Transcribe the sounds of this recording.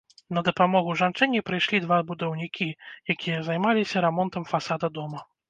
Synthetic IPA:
nɐd̪ɐpamɔɣuʐant͡ʂɨnʲːipɾɨjʂlʲid̪vabud̪ɐwnʲikʲʰijakʲijɐzajmalʲisʲɐɾɛmɔnt̪ɐmfasad̪ɐd̪ɔmɐ

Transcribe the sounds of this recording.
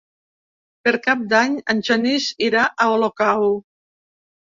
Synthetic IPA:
peɾkap̚d̪aɲanʲt͡ʃanisiɾaʔaolokaw

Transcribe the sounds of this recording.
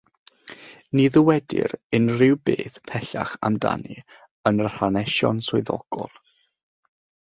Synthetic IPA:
niðəwɛdɪ̰ɾɪnrɪwbeːθpʰɛɬa̰χa̰mda̰nḭ | ənərr̥anɛʃɔnsʊɨðɔ̰ɡ̥ɔlˠ

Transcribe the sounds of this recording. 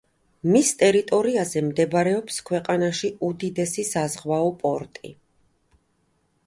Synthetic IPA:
mist̪ʼɛɾit̪ʼɔɾiazɛmd̪ɛbɾɛɔpskʰwɛqʼanaʃiud̪id̪ɛsisazʁwaɔpʼɔɾt̪ʼḭ

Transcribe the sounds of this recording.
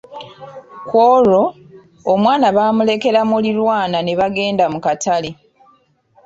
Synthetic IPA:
kwoːɾo | omwaːnaβaːmule̞ke̞lamulilwaːnane̞βaɡe̞ːndamukatale

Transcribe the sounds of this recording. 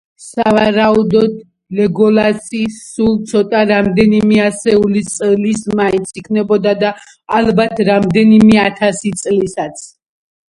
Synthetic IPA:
savaɾaud̪ɔd̪ | lɛɡɔlasʼiːulˠt̪sʰɔt̪ʼaɾamd̪ɛnimɛasɛulit̪sʼlismaint̪sʰikʰnɛbɔd̪ad̪aː | lˠbat̪ʰɾamd̪ɛnimɛat̪ʰasit̪sʼlisat̪sʰ

